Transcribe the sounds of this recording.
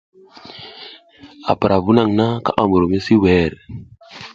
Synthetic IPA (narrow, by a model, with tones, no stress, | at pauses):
a̰˨pa˨ɾʔa˨vu˦na˦˨ŋna˦ka̰˦ʔa˨mu˨ɾo˨me˦si˦wɛ˦˨ɾ